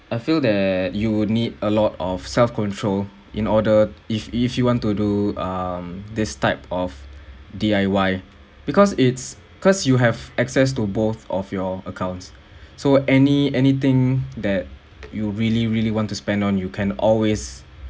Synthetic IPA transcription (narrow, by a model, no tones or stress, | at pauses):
aɪfild̪ɛtjunidəlɔtɔfsɛlfkɔ̃ntʰɹol | ʔĩnɔdəififjuwɔ̃ntuduʌ̃md̪ɪstaɪpɔfdiaɪwaɪ | b̥ikɔsɪtsbkʰɔsjuɦɛvɛksɛs̬tubot̪ɔfjɔəkʰãw̃ntsː | oʔɛniɛnit̪ɪ̃ŋd̪ɛt̚ | juɹiliɹiliwɔ̃ntuspɛ̃ndɔ̃njukʰɛ̃nɔlwes